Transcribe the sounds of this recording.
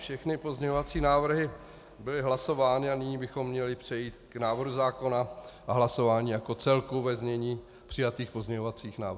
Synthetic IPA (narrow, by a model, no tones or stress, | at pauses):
fʃɛxnɪpozɲɛɲovat͡siːnaːvr̩ɦɪ | bɪlɪɦlaso̞vaːnɪanɪɲiːbɪxo̞mːɲɛlɪpr̝̥ɛjiːt̪knaːvrɦuzaːko̞naʔaɦlaso̞vaːɲiːjako̞t͡sɛlkuvɛzɲɛɲiː | pr̝̥ɪjat̪iːxpozɲɛɲovat͡siːxna̰ːvr